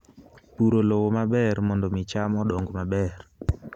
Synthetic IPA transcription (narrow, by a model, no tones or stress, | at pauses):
puɾolowomabɛrmɔndɔmɪt͡ʃamɔdɔŋɡmabɛr